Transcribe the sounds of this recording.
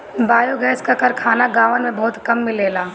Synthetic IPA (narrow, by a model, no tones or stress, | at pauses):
baːjoɡɛːskakɐɾkʰaːnaɡaːʋənmẽbɔːt̪kɐmːɪleːlaː